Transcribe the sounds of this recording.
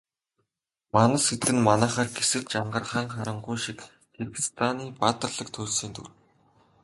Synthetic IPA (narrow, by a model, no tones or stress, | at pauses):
manə̆set̪ɡɘ̆nmanæːχaːrɡesɘ̆ɮt͡ɕaɴɢə̆rχaːŋχaɾə̆ɴɢʊjʃik | tʰerɡi̥st̪ʰaniːpat̪ə̆rɮə̆k̚t̪ʰʊːɮsiːnt̪ʰṵr